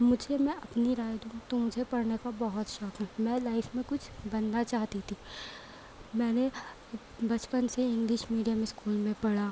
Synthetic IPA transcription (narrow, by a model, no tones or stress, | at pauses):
mʊd͡ʒʱemɛ̃ʔɐpniɾaːjd̪ũt̪omʊd͡ʒʱepɐɽnekabɐɦʊt̪ʃɔkɦũmɛ̃ːlaːɪfmẽkʊt͡ʃʰbɐnːat͡ʃaːɦt̪it̪ʰiː | mɛ̃ːne | bɐt͡ʃpənseɪ̃ŋɡlɪʃmiːɖijamẽskuːlmẽpɐɽaː